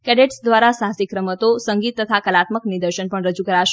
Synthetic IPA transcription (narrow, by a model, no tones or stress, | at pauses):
kɛɖeʈsd̪ʋaɾasaɦsikɾəmət̪osəŋɡit̪ːət̪ʰakəlat̪məknid̪əɾʃənpəɳɾəd͡ʒukəɾaʃe